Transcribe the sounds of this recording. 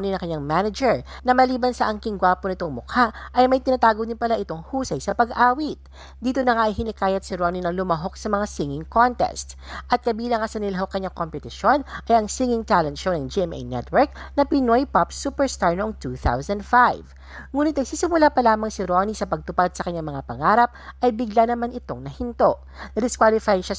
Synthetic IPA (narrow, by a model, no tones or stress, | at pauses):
ninɐ̃ŋkɐɲːaŋmanɐd͡ʒɛɹnɐmɐliːbɐnsɐʔɐŋkɪŋɡwaːponɪt̪oŋmʊkʰaʔʔɐjmɐjt̪ɪnat̪aːɡod̪ɪnpɐlaʔɪt̪o̞ŋhuːsɐjsɐpɐɡʔaːwit̪̚ | d̪iːt̪onɐŋaʔɐjhɪnɪkaːjɐt̪̚sɪɾoːninɐlʊmɐɦo̞k̚sɐmɐŋasiŋɪŋkont̪ɛ̰st̪ʔɐt̪̚kɐbiːlɐŋɐsɐnɪlɦɐwkɐɲaŋkompɛt̪ɪʃo̞nʔɐjʔɐŋsiŋɪŋt̪alɐnʃonɐŋd͡ʒiʔɛmʔɛ̰jnɛ̰t̪wɛɹk̚nɐpɪnojpapsuːpɛɹst̪aɹnoʔoŋt̪uːθa̰wsɐnd̪fajv | ŋuːnɪt̪ɐjsisɪmʊlapɐlaːmɐŋsɪɾonisɐpɐɡ̚t̪ʊpad̪̚sɐkɐɲaŋmɐŋapɐŋaːɾɐp̚ʔɐjbɪɡlanɐmanɪt̪o̞ŋnɐhɪnt̪o̞ʔ | nɐd̪ɪskwalɪfajʃa